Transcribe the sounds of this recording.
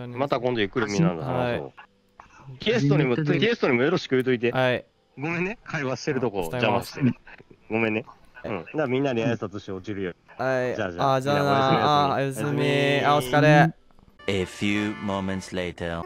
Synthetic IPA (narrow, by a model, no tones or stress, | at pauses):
mat̪akõnd̪ojɯ̟kɯ̟ɾɯmʲĩãnd̪ahaɕo̰ | kʲist̪oɲimokʲiesɨ̥t̪oɲ̟imo̞jo̞ɾo̞ɕi̥kɯ̟jɯt̪o̞it̪̬ehai | ɡo̞mẽnːekʰaiβaɕi̥t̪e̞ɾɯ̟t̪o̞ko̞d͡ʑamãɕi̥t̪eɡo̞mẽnːeɯ̃d̪amʲĩnːaɾʲiasɨ̥t̪at̪o̞ɕt̪eo̞t͡ɕiɾɯ̟joːihaiaad͡ʑaaajasɨmʲiaoɨkad̪e | efjuːmõʊ̃mɛ̃nt̪sleɪtʰə